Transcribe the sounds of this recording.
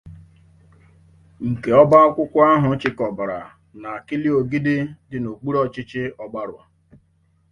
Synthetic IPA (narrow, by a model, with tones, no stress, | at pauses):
ŋ̩˨ke˨ɔ˦ba˦ʊ˦kʷʊ˦kʷʊ˦a˦ɦʊ˨˦t͡ʃɪ˦kɔ˨ba˨ɾa̰˨ | na˨a˨kɪ˦li˦o˨ɡi˦dɪ˦dɪ˦no˨ɡ͡bu˦ɾɔ˦t͡ʃɪ˦t͡ʃɪ˦ɔ˨ɡ͡ba˦ɾʊ˨a̰˨